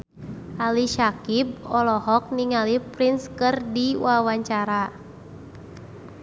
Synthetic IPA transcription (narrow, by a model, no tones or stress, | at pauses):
ʔaliʃakib̚ɔlɔɦɔk̚niŋalipɾinskɨrdiwawaɲt͡ʃaɾa